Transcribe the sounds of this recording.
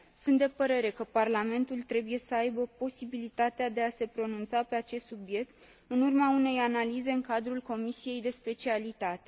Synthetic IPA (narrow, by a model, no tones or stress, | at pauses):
sunt̪̚d̪e̞pəɾe̞ɾe̞kəparlame̞nt̪ult̪ɾe̞buje̞səajbəpo̞sibilit̪at̪ead̪e̞ase̞pɾo̞nunt̪sape̞at͡ʃe̞st̪subje̞k̚t̪ | ɨnurmaune̞janalize̞ɨŋkad̪ɾulko̞misije̞jd̪e̞spe̞t͡ʃialit̪at̪e̞